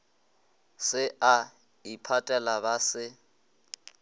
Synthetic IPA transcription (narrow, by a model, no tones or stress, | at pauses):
sɪa | ipʰatʼɛlabasɪ